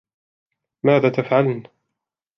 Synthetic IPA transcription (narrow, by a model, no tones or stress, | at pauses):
maːðaːt̪afʕaln